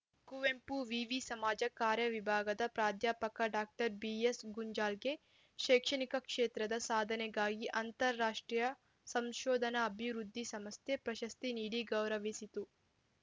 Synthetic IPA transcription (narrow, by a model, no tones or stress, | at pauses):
kuʋempuʋiʋisɐmaːd͡ʒɐkaːɾjɐʋibʱaːɡɐd̪ɐpɾaːd̪ʱjaːpɐkɐɖaːk̚ʈɐɾbiːesɡuɲd͡ʒaːlɡe̞ | ʃeːkʂɐnikɐkʂeːt̪ɾɐd̪ɐsaːd̪ʱɐnɛɡaːɡiʔɐnt̪ɐɾːaːʂʈɾijɐ | sɐmʃɔːd̪ʱɐnɐːbʱiʋɾud̪ʱːisɐmɐsjepɾɐʃɐst̪iniːɽiɡɐwɾɐʋisit̪u